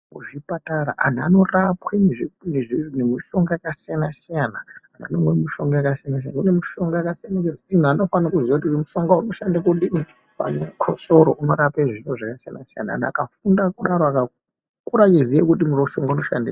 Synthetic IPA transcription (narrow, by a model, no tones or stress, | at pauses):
uʐipataɾa̰ʔa̰n̤a̰no̞rapwenineʐinemiʃo̞ŋɡajakasijanasijanaan̤a̰nomwemuʃo̞ŋɡajakasijanas̬ja̰naunemuʃo̞ŋɡajakasijanakenin̤uano̞fanakuziaut̬uimuʃo̞ŋɡauno̞ʃandakuɗimi | pa̰ɲemukʰosoɾo̰ʔuno̞ɾapeʐinoʐakasijanasija̰na̰a̰na̰kafundakuɗaɾoaka | kuɾakizijekutimuroʃoŋɡauno̞ʃa̰nde